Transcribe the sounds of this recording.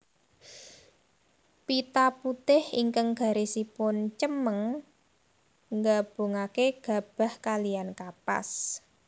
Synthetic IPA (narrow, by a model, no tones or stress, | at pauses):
pit̪aput̪ɪhḭŋkəŋɡ̥a̤ɾesipʊnt͡ʃəməŋ | ŋɡab̥o̤ŋakeɡ̥a̤b̥a̤hkaliankapa̰s